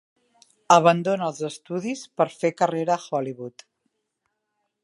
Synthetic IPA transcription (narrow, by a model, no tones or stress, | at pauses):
əβənd̪onəlˠzəst̪uðispəɾfekəreɾəxɔliβut̪